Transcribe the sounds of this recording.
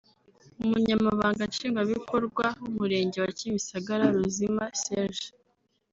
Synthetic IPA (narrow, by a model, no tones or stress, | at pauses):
umuɲamaβaːŋɡanʃiːŋɡwaβikʰo̞ɾɡwaumuɾe̞ːɲɟe̞wacimisaɡaɾaɾuzimaseɾʒ